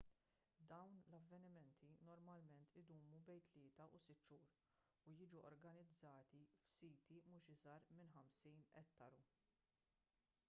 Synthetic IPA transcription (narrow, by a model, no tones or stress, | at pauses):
d̪ɐwnlɐvːɛnɪmɛnt̪ʰinɔɾmɐlmɛnt̪ʰɪd̪uːmubɛjnt̪lɪːt̪ɐʔusɪt̪ːʃuːɾ | ujɪːd͡ʒuʔɔ̰ɾɡɐnɪd͡zːɐːt̪ifsiːt̪imuːʃɪzɐɾmɪnħɐmsiːnɛ̰t̪ːɐɾu